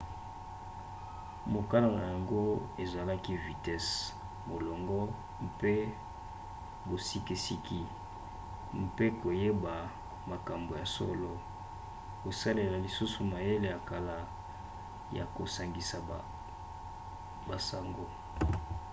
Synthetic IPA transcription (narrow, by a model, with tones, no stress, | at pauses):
mo˨ka˦la˨na˨ja˨ŋɡo˦e˨za˨la˦ki˦vi˨tɛ˦s | mo˨lɔ˨ŋɡɔ˦ | mpe˦ | bo˨si˦ki˦si˦ki˦ | mpe˦ko˨je˦ba˨ | ma˨ka˨mbo˨ja˨so̰˦lo˦ | ko˨sa˦le˨la˨li˨su˦su˨ma˨je˦le˨ja˨ka˨la˨ | ja̰˨ko˨sa˨ŋɡi˨sa˨ | ba˨sa˨ŋɡo˨